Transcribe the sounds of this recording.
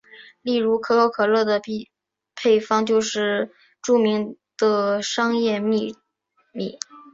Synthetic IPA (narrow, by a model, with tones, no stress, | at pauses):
li˥˩ɻu˧˥kʰɤ˧˥kʰo˧˥ʊkʰɤ˨˩lɤ˥˩d̪ə˩˥˩ | pʰe˥˩ɪfɑ˥ŋt͡ɕjo˥˧ʊʂɻ̩˥˩ | ʈ͡ʂu˥˩mi˧˥ŋ | d̪̥ə˧ʂɑ˥ŋjɛ˥˧mi˥˧ | mi˥˩